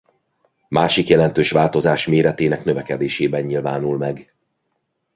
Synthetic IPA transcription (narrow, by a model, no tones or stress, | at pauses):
maːʃikjɛlɛnt̪øːʃʋaːlt̪o̞zaːʃmeːɾɛt̪eːnɛknø̞vɛkɛd̪eːʃeːbɛɲɲilvaːnulmɛɡ